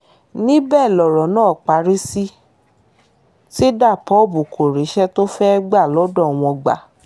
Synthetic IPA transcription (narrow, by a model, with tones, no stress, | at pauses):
nĩ˦bɛː˦˨lɔ˨ɾɔ˨˦nãː˦˨k͡pa˨˦ɾi˦si˦ | ti˦da˦˨pɔ˨˦˨bu˨ko˨ɾi˨˦ʃɛ˦to˦fɛ˦ɡ͡ba˦˨lɔ˨˦dɔ˦˨w̃ɔ̃˧ɡ͡ba̰˨